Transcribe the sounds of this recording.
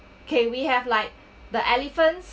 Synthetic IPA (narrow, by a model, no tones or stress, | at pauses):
kʰɛ̃nwihɛvlaɪk̚ | d̪əʔɛlifə̃nts